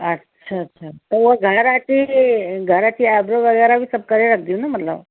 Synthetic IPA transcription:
ətːɕʰaːtːɕʰat̪əɾʋəɡʱəɾat͡ɕiɡʱəɾat͡ɕiːabɾəʋəɡɛɾaʋiːsəb̚kəɾeɾak̚d̪iunam̤ətla̰

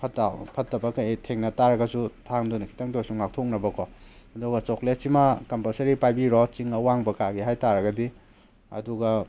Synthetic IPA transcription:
pʰɐtapʰɐtːɐbɐkɐjtʰeŋnɐtaɾɐɡɐsutʰaŋdunikʰi̥tɐŋdosuŋak̚tʰok̚nɐbɐkɔɐduɡɐt͡ʃɔklet̚simakɐmpɐlsɐɾipajbiɾɔt͡ʃiŋɐwaŋbɐkaɡiɦajtaɾɐɡɐdi | ɐ̰duɡɐ

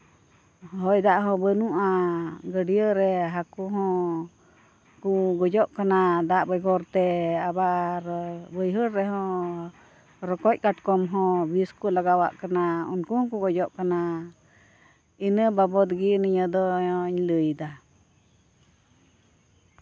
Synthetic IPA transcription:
ɦɔjd̪aʔɦɔ̃bənũʔãɡəɖiəɾɛɦakuɦɔ̃ | kuɡɔd͡ʒɔʔkanad̪aʔbəjɡɔɾt̪ɛaβaʔɾbəjɦəɾːɛɦɔ̃ | ɾɔkɔc̚ʲkaʈkɔmɦɔ̃biskulaɡawa̰ʔkanaṵnkuhkuɡɔd͡ʒɔʔkana | inə̃babɔd̪ɡinĩɲəd̪ɔɲləjd̪a

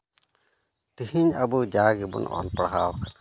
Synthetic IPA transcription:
t̪ihiɲabud͡ʒaɡɛbɔ̰nʔɔ̰npɽɦawk

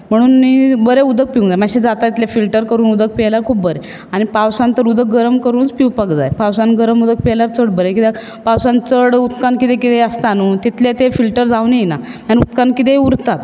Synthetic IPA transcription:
m̤əɽ̃uːnːibəɾeud̪ʱək̚piũnd͡zajmaɕid͡zat̪at̪it̪ʰljafilʈəɾkəɾuːnud̪ək̚pilaɾkʰuːp̚bəɾe | aɽ̃ipawsãnt̪əɾud̪ək̚ɡəɾəmkəɾuːnt͡spiwpəkd͡zajpawsanɡəɾəmud̪ək̚pilaɾt͡səɽbəɾekit̪ja | pawsant͡səɽut̪kankit̪ekit̪eəst̪anut̪it̪ljat̪efilʈəɾd͡zawnijna | manut̪kankit̪euɾt̪at̪

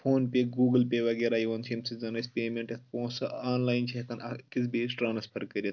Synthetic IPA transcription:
fʰoːnpʲeɡuːɡɨlpʲeʋɐɡeɾaːjiʋɐnt͡ʃʰiimsʰɨzɐnɐjsʲpʲeːmʲeɳʈet̪̚ʰpõːsɨaːnlaːjint͡ʃʰiɐkɐnɐkʲit͡sbeːsʈɾaːnɐspʰɐɾkɐɾʲit̪

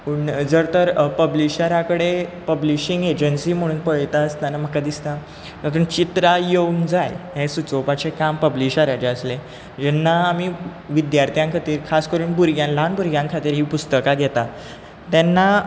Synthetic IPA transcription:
puɳd͡zəɾt̪əɾpəbliɕaɾakəɽepəbliɕiŋɡed͡ʑənsiːm̤əɽ̃uːnpəjt̪aəst̪anam̤əkad̪ist̪a | kat̪uɳt͡ɕit̪ɾajeund͡zajɦẽsut͡sopat͡ɕekampəbliɕaɾad͡ʑeəsle | d͡ʑɛnːaːmiʋid̪jaɾt̪ʰijãŋkʰat̪iːɾkʰaskəɾuːnbuɾɡʱjãnlanbuɾɡjãŋkʰat̪iːɾɦiːpust̪əkaɡɛt̪a | t̪ɛnːa

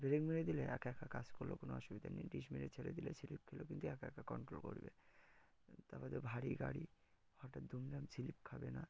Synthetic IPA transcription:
beɾekmiɾed̪ileɛ̰keɛkʰakad͡ʑkoɾlo̰konoɔʃubid̪ʱa̰niɖiʃmiɾet͡ɕʰeled̪ilet͡ɕʰilip̚kʰelokint̪uɛkeɛkakɔɳʈɾolko̰ɾbḛ | t̪abad̪ebʱaɽiɡa̰ɽi | hɔʈat̪̚d̪ʱumlamt͡ɕʰilip̚kʰabena

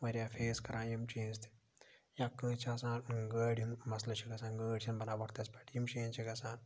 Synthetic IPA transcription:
ʋɐɾʲjafʰeːskɐɾãːnjimt͡ʃẽːnzt̪i̥ | jãkːə̃t͡ʃʰaːsãːnɡəːɽinmɐslɐt͡ʃʰiɡɐsãːnɡəːɽʲt͡ʃʰinbɐnaːbɐkt̪ɐspɐʈjimʃeːnt͡ʃʰiɡɐsaːn

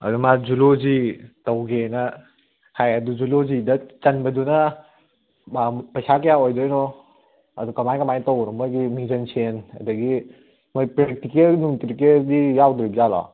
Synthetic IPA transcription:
ɐ̰dumad͡ʒulozitɐwɡenɐ | kʰajɐduzulozidɐt͡ʃɐnbɐdunɐ | bapɐjsakejaojdɔjnɔ | ɐdukɐmajkɐmajtɔwɾɔmɔjɡimizɐnsenɐ̰dɐɡi | mɔjpɾek̚tikelnuŋtɾikeldijawdɾibzalɔ̰

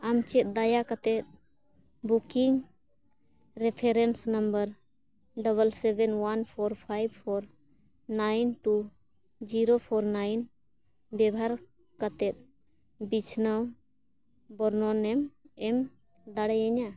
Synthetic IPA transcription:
amt͡ʃɛt̪̚ˀd̪ajakat̪ɛt̪̚ | bukiŋ | ɾɛpʰɛɾɛnsnəmbəɾ | ɖəβəlsɛbɛnwanpʰɔɾpʰajbpʰɔɾ | najnʈu | d͡ʒiɾopʰɔɾnajn | bɛbʱaɾ | kat̪ɛt̪̚ | bit͡ʃʰnaw | bɔɾnɔnɛmɛm | d̪aɽɛjɛɲa

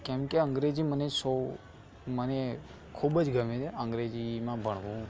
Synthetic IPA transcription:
kɛ̃mkeə̃ŋɡɾed͡ʒiməneso | məne | kʰubəd͡ʒɡəmet͡ʃʰeə̃ŋɡɾed͡ʒimãbʱəɽ̃ʋũ

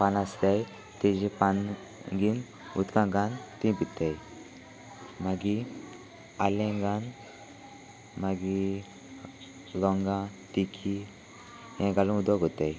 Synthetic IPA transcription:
panaslaj | t̪ed͡ʑipan | ɡin | ut̪kãŋɡant̪ĩpit̪aj | maɡi | alẽŋɡan | maɡi | lɔŋɡãt̪ikʰi | jãɡalũud̪ʋaɡʱot̪aj

